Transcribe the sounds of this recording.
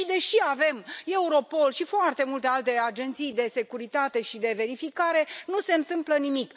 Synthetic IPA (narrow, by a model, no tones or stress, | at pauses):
d̪e̞ʃiave̞me̞uɾo̞po̞lʃifoart̪e̞mult̪e̞alt̪e̞ad͡ʒe̞nt̪sijd̪e̞se̞kuɾit̪at̪e̞ʃid̪e̞ve̞ɾifikaɾe̞nuse̞ɨnt̪ɨmplənimik